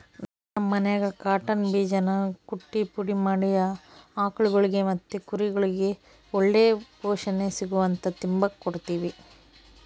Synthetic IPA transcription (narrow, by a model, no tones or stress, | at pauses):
nanɐmːɐnɛɡɐkaːʈɐnbiːd͡ʒɐnɐkuʈːipuɽimaːɽijɐaːkɐɭuɡɐɭiɡe̞mɐt̪ːukuɾiɡɐɭiɡe̞ | ɔɭːeːpɔːʂɐnesiɡuʋɐnt̪ɐt̪imbɐkːoɽt̪iːʋi